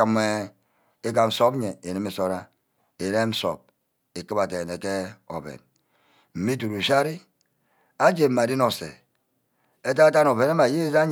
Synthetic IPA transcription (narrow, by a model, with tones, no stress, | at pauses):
a˨me˨˦ | e˦ka˨n̩˨so˦bɲe˨e˨ni˦me˨so˦ɾa˦ | e˨ɾe˦m̩˦so̰˨p̚ | e˨ki˦ba˨te˨ne˨ke˦o̰˨bḛ˨n | m̩˨mi˦tu˨ɾu˨ʃa˦ɾi˦ | a˦d͡ʒe˨m̩˦ma˨di˦no˨sḛ˨ | e˦t̬a˦ta˦no˨be˨na˦ma˨je˦za˦ɲ